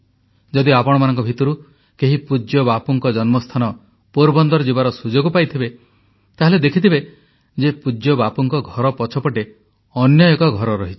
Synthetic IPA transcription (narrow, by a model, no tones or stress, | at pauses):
d͡ʒɔd̪iapɔɽ̃ɔmanɔŋkɔbʱit̪ɔɾu | keɦipud͡ʒjɔbapɔŋkɔd͡ʒɔnmɔst̪ʰanɔ | puɾbɔnd̪ɔɾɔd͡ʒibaɾɔsud͡ʒoɡɔpajt̪ʰibe | t̪aɦeled̪ekʰit̪ʰibe | d͡ʒepud͡ʒjɔbapɔŋkɔɡʱɔɾɔpɔt͡ʃʰɔpɔʈe | ɔnjɔekɔɡʱɔɾɔɾɔɦit͡ʃʰi̥